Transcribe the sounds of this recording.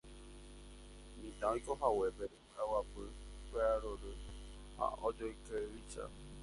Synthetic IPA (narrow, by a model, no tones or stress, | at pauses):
mĩt̪ãõĩkoɦawebe | awapɨ | kʷeaɾoɾɨ | ha̰od͡ʒoikeɾit͡ʃa̰